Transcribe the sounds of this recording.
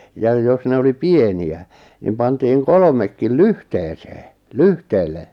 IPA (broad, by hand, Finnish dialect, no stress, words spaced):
jɑj jos ne oli pieniæ nim pɑntiːŋ kolŏmekːil lyhteːseː lyhteːlːe